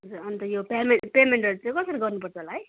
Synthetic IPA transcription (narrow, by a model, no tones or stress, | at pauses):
d͡zuʌnt̪ʌjopamepemeɳʈʌɾut͡sãj̃kʌsʌɾiɡʌrnupʌrt͡sʰʌɦolaɦʌj